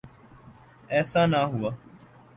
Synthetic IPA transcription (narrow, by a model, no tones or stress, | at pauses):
ɛːsãːnaːɦʊaː